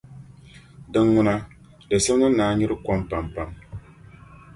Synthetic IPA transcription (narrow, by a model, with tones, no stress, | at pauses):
dɨ˦ŋːʊ˦na˦ | dɨ˨sɛ˦m˦nɨ˦naː˨ɲɪ˦ɾɨ˦ka˦mpa˨mpa˨m